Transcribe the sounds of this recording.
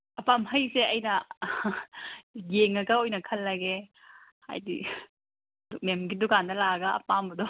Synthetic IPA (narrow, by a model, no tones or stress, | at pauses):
ɐpamɦɐjseɐjnɐ | jeŋɐɡɐojnɐkʰɐlːɐɡe | ha̰jdḭ | duk̚memɡidukandɐlaɡɐ̰ːpambɐdɔ